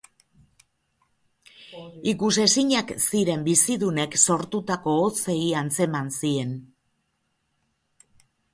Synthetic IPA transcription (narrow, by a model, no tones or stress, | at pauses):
ikuse̞siɲaksiɾe̞mbisiðune̞kso̞ɾt̪ut̪ako̞ːt͡se̞iant͡se̞mansie̞n